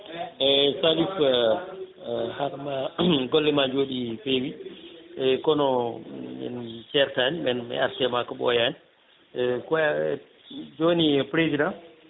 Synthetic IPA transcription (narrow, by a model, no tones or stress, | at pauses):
ɛsalif | haɾmaɡɔlːɛmad͡ʒoːɗifewiɛkɔnɔmɛ̰nt͡ʃɛɾtaɲimɛnmɛ̰a̰ɾtɛmakɔɓɔ̰jani | kɔ | d͡ʒonipɾezidãn